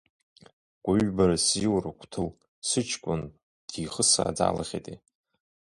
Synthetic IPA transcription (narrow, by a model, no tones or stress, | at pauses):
ɡʷʼaɥbaɾasiwrakʷʰʼtʰɨl | sɨt͡ʃʰkʷʼʊn | d̥iχəsa̰ːd͡za̰ːla̰χʲḛtʼe